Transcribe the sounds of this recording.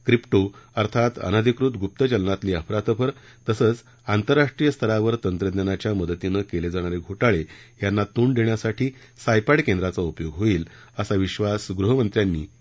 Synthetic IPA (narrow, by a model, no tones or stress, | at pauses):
kɾipʈoəɾt̪ʰat̪ə̰nad̪ʱikɾut̪ɡʱup̚t̪ət͡ɕəlnat̪liːəpʰɾat̪əpʰəɾ | t̪əsəːt͡s | ant̪əɾːaʂʈɾijəst̪ʰəɾaʋəɾt̪ənt̪ɾəd̪njanat͡ɕjaməd̪ət̪inəkeled͡zaɽ̃aɾeɡʱoʈaɭejanːat̪uːɳd̪eɳjasaʈʰiː | sajpaɽkend̪ɾat͡saupjoɡɦoiːl | əsaʋiɕʋasɡɾuɦəmənt̪ɾjanːiː